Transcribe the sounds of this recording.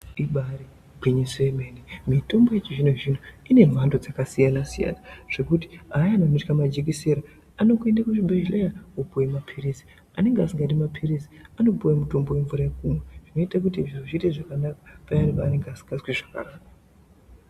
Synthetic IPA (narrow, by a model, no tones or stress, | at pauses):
iɓaɾi | ɡiɲisemenemito̞mbojet͡ʃiʐinoʐin̤oine̞rwandod͡zakasijanasija̰naʐ̥e̞kuti̥ajanonitkamad͡ʒek̬iseɾa | ano̞kue̞ndakuʐibʱeʒlejaupuwemapʰirisi̥ | ane̞ŋɡeasiŋɡatimapʰirisi̥ano̞puwemuto̞mbo̞we̞ɱvuɾajekumweʐ̥ino̞itak̬utiʐinoʐiteʐakanakḁpajanipaːne̞ŋɡeasi̥ŋɡaswiʐaka̰ɾaːka